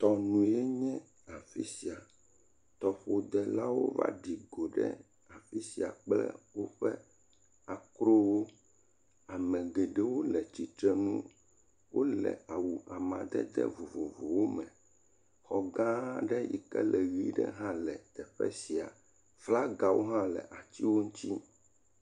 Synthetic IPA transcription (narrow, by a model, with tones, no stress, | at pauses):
t̪ɔ˨nũ˨e˦ɲɛ̃˦ | a˨fi˦si˨a˨ | t̪ɔ˨ɸo˨d̪ɛ˨la˦wo̰˦va̰˦ɖi˨ɡo˨ɖɛ̰˦ | a˨fi˦si˨a˨k͡plɛ̰˦wo˦ɸɛ˦ | a˨kɾo˦wo˦ | a˨mɛ̃˨ɡe˨ɖɛ˦wo˦lɛ˨t͡ɕi˨t̪ɾɛ˦nũ˦ | wo˦lɛ̰˨a˨wu˨a˨mã̰˨d̪ɛ˦d̪ɛ̰˦vo˨vo˨vo˨wo˦mɛ̃˨ | xɔ˨ɡã˦ɖɛ˦jḭ˨kɛ˦lʔɛ˨ɣi˦ɖɛ˦ɦã˦lɛ˨t̪ɛ˨ɸɛ̰˦si˨a˨ | fla˦ɡa˨wo̰˦ɦã˦lɛ˨ʔa˨t͡ɕ̪i˦wo˦ŋũ˦t̪i˦